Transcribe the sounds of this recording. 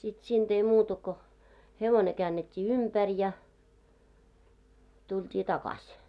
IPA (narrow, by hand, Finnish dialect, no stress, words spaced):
sit siːnd̥ ei muːtɑ ko heʋone kæːnːetʲːiː ympær jɑ tultʲiː tɑkɑsʲ